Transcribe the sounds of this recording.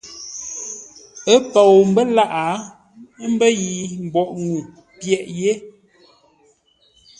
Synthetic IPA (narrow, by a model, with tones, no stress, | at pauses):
ə˦pɔ˨wm˦bə˦la˦ʔa˨˦ | m̩˦bə˦ji˨m̩˨bɔ˨ʔŋu˨ | pjɛ˨ʔje˦